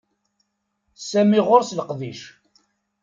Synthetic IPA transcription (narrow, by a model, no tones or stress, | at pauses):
sæmiʁoɾsləqðiʃ